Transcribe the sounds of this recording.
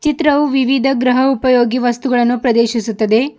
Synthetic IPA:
t͡ʃit̪ɾɐʋuʋiʋid̪ʱɐɡɾɐɦɐupɐjoːɡiʋɐst̪uɡɐɭɐnːupɾɐd̪eːʃisut̪ːɐd̪e̞

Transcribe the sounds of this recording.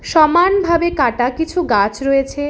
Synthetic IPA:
ʃɔmanbʱabekaʈakit͡ɕʰuɡat͡ɕɾojet͡ɕʰe

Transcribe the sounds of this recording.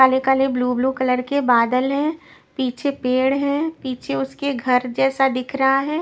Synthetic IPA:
aːlekaːlebluːbluːkɐləɾkebaːd̪əlɦɛ̃ː | piːt͡ʃʰepeːɽɦɛ̃ːpiːt͡ʃʰeʊskeɡʱɐɾd͡ʒɛːsad̪ɪkʰɾɐɦaɦɛː

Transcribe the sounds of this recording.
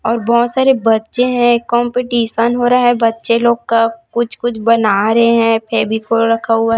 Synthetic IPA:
ɔːɾbɔːʊt̪saːɾebɐtːʃeɦɛ̃kɔ̃ːmpeʈiːʃənɦoːɾaɦɛ̃bɐtːʃeloːɡkakʊt͡ʃʰkʊt͡ʃʰbɐnaːɾɐɦeɦɛ̃pʰeːbʱikoɾɐkʰaɦua

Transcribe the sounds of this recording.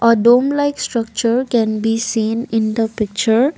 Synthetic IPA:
ʔɔɖõːmlaɪksʈɾʌk̚t͡ʃəɾkɛ̃nbisĩːnɪ̃nd̪əpɪk̚t͡ʃəɾ

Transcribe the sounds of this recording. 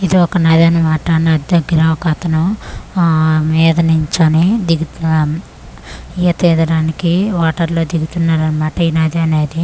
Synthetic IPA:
id̪iɔkɐnaːd̪aːnɐmaːʈɐnad̪id̪ɐɡɾɐmɐkat̪ʰɐnɐ | miːd̪ɐnuɲt͡ʃonid̪iɡu | ijɐt̪iːd̪ɐɽaːnikiʋaːʈɐɾlo̞ːd̪iɡut̪unːaːɾɐnɐmaːʈɐinaːd̪iɐne̞ːd̪i

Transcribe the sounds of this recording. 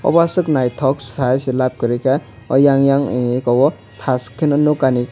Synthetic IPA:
ɔ̰basɯknajtʰɔksajselap̚kɯɾika | ɔ̰jaŋjaŋekɔwɔ | t̪ʰaskʰːenɔnukani

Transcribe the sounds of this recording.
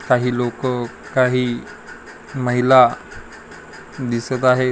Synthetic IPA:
kaɦiːlokkaɦiː | məɦila | d̪isət̪aɦe

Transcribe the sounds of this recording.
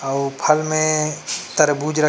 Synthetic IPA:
ɐwpʰɐlmẽt̪ɐɾbuːd͡ʒɾɐ

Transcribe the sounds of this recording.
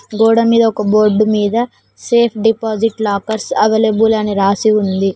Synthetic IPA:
ɡɔːɽɐmiːd̪ɐɔkɐboːɾɖumiːd̪ɐ | seːpʰɖipaːd͡ʒiʈlaːkɐɾsɐʋelebulɐniɾaːsiund̪i

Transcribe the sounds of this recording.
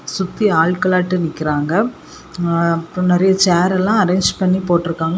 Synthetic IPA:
sʊt̪ːiaːɭkɐɭaːʈːɯnɪkːɪɾaːŋɡɐ | ɐpːnɐɾɐjɐt͡ʃaːɾɛlːãːɐɾeːɲd͡ʒpɐɳːipoːʈːɪɾɯkːaːŋɡɐ

